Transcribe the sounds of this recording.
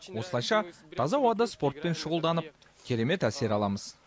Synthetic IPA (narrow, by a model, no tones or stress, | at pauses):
wo̞səlˠɑjʃɑt̪ʰɑzɑwɑd̪əspo̞ɾt̪̚pe̞nʃəʁəlˠd̪ɑnəp̚ | kʲʰe̞ɾe̞me̞t̪æse̞ɾɑlˠɑməz